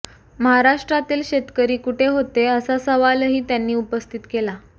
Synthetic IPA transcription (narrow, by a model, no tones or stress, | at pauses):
məɦaɾaʂʈɾat̪iːlɕet̪kəɾiːkuʈʰeɦot̪eəsasəʋalɦiːt̪janːiːupəst̪ʰit̪kela